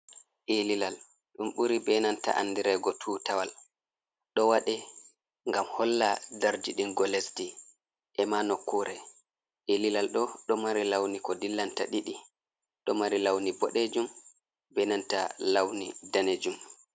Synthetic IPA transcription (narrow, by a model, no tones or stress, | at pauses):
ʔelilal | ɗumɓuɾibɛnanta̰ʔandiɾɛɡɔtʰuːtawal | ɗɔwaɗɛ | ŋɡamhɔlːadaɾd͡ʒiɗinɡɔlesdi | ʔɛmanokːuɾɛ | ʔelilalɗɔɗɔmaɾilawnikɔdilːantaɗiɗi | ɗɔmaɾilawnibɔɗed͡ʒum | bɛnanta̰lawnḭdaned͡ʒum